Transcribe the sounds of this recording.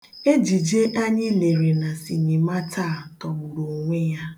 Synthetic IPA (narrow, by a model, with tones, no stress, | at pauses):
e˦d͡ʒi˨d͡ʒe˦ʔa˦ɲɪ˦le˨ɾe˨na˨si˨ɲɪ˨ma˦tʰa˦˨tɔ˨ɡ͡bʊ˨ɾo˨o˨ŋʷe˦ja˦